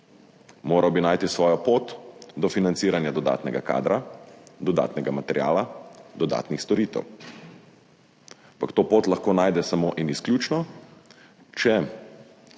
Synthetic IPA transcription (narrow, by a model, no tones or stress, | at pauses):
moːɾʔawbinaːjt̪isʋɔːjɔpoːt̪d̪ɔfinansiːɾanjad̪ɔd̪a̰ːt̪nɛɡa̰ka̰ːd̪ɾad̪ɔd̪a̰ːt̪nɛɡamat̪ɛɾja̰ːlad̪ɔd̪a̰ːt̪nixst̪ɔɾiːt̪ɛ̰w | ampakt̪oːpoːt̪laxkoːnaːjd̪ɛsamoːʔinisklʲjuːt͡ʃnɔ | t͡ʃɛ